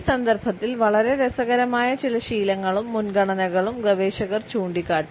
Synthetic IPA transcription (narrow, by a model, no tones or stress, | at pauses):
sɐnd̪ɐrbʱɐt̪ːilʋɐɭɐɾe̞ɾesɐɣɐɾɐmaːjɐt͡ɕilɐɕiːlɐŋːɐɭumːunɡɐɳɐnɐɣɐɭumɡɐʋeːɕɐɣɐrt͡ɕuːɳɖikːaːʈːu